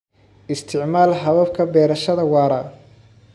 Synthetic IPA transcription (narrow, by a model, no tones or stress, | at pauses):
ʔɪst̪ʰɪʕmaːlɦɐβɐbkʰɐbɛːɾɐʃɐðɐwɑːɾɐ